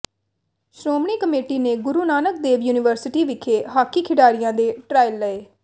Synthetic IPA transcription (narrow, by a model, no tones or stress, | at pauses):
sɾoːmɳiːkəmeːʈiːneːɡʊɾuːnaːnək̚d̪eːʋjuːnɪʋəɾsɪʈiːʋɪkʰːeːɦaːkiːkʰɪɖaːɾɪjãːd̪eːʈɾaːɪlːəeː